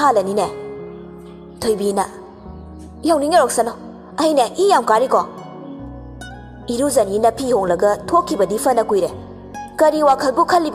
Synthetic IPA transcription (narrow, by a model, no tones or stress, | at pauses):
ɦalɐnine | tʰojbinɐ | jawniŋeɾɔk̚sanɔ | ɐjneʔijamkaɾikɔ | iɾuzɐninɐpʰihoŋlɐɡɐtʰokʰːibɐdipʰɐnɐkujɾe | kɐɾiwakʰɐlbukʰɐlːib